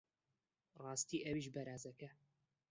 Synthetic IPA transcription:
rɑːst̪iːʔɐwiʃbɐɾaːzɐkɐ

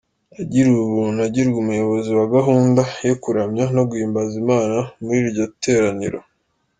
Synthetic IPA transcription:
aɟiɾuβunaɟiɾɡumujo̞βo̞ziwaɡaɦuːndajo̞kuɾamɲano̞ɡwiːmbazimaːnamuiɾɾɟote̞ːɾaniɾo̰

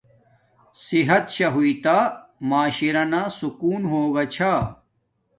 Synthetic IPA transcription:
siɦɐt̪ɕɐɦuit̪amaːɕiɾɐnaːsukuːnɦoːɡɐt͡ɕʰaː

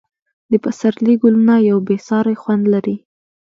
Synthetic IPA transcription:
d̪əpasaɾliɡʊlunajawbesɑɾajxwand̪laɾi

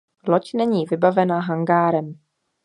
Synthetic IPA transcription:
locnɛɲiːvɪbavɛnaɦaŋɡaːɾɛm

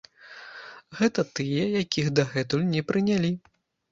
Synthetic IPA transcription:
ɣɛt̪ɐt̪ɨjɐjakʲʰiɣd̪ɐɣɛt̪ulʲnʲɛpɾɨnʲalʲi

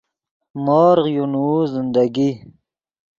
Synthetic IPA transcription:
mɔːɾʁjunuzɪnd̪aɡi

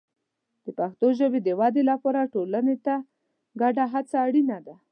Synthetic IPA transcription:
d̪̥əpaxt̪oʒəbed̪əwɑd̪elapɑɾaʈolanet̪a | ɡaɖaɦat͡saːɽinad̪a

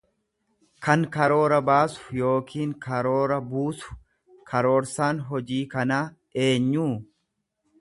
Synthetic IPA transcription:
kʰɐŋkɐɾo̞ːɾɐbaːsʊ̥jo̞ːkʰiːŋkʰɐɾo̞ːɾɐbuːsʊ̥ | kʰɐɾo̞ːɾsaːnɦɔd͡ʒiːkɐnaː | e̞ːɲːuː

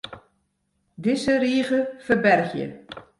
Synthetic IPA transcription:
dɪsəriːɣəfərbɛrɣjə̰

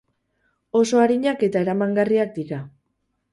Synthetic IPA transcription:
o̞so̞aɾiɲake̞t̪ae̞ɾamaŋɡariak̚d̪iɾa

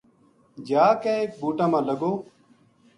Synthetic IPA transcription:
d͡ʒaːkɛːeːk̚bʱuːʈãːmãːləɡoː

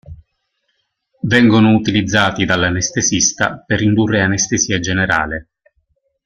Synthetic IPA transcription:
vɛŋɡonʊut̪ilid̪zːaːt̪id̪alːanest̪esist̪a̰perːind̪urːeanest̪esiːad͡ʒeneɾa̰ːlɪ

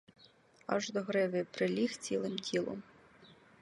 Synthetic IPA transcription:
ɑ̰ʒd̪ɔɦɾɪʋɪpɾɪlʲixt͡sʲilˠɪmtʲʰilˠɔ̰m

